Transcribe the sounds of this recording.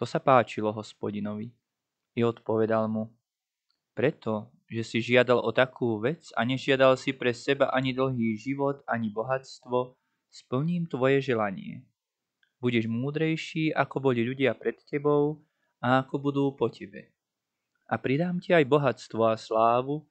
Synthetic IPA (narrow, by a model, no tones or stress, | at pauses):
t̪ɔsapaːt͡ʃilɔɦɔspɔɟinɔʋi | iɔt̪pɔʋɛd̪almu | pɾɛt̪ɔ | ʒɛsiʒɪad̪alɔt̪akʰuːʋɛt͡sa̰ɲɛʒɪad̪alsipɾɛsɛbaʔaɲid̪l̩ˠɦiːʒiʋɔt̪aɲibɔɦat͡st̪ʋɔ | spl̩ɲiːmt̪ʋɔjɛʒɛlaɲɪɛ̰ | buɟɛʒmuːd̪ɾɛjʃiːʔakɔbɔʎʎuɟɪapɾɛt̪cɛbɔʊ | aːkɔbud̪uːpɔcʰɛbɛ̰ | ʔapɾid̪aːmcɛajbɔɦat͡st̪ʋɔaslaːʋu